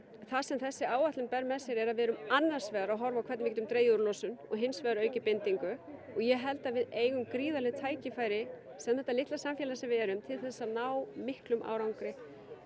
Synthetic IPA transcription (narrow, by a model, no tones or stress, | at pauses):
θasɛmθɛsːɪaːwat̪lɪmpɛɾmɛðsjɛɾɛɾaðvɛːɾʏmanːar̥svɛːðaɾaɦɔɾvawkʰɛɾt̪nvɪcɛt̪ʏmt̪ɾeːjuɾlɔsʏnɔɣɦɪnsvɛːðaɾœːɥcɪpɪnt̪iŋkʏ | ɔɣjɛɦɛlt̪avɪðeːjɣʏmkɾiːðalɪt̪ʰaːjcɪfaːjɾɪ | sɛmðɛht̪alɪht̪lasamfjɛlasɛmvɪɛɾʏmt̪ʰɪlθɛsːanaːwmɪhklʏmʔa̰ːwɾawŋkɾɪ